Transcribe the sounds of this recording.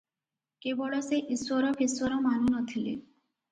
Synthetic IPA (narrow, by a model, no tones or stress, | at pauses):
kebɔɭɔseʔiswɔɾɔpʰiswɔɾɔmanunɔt̪ʰilḭ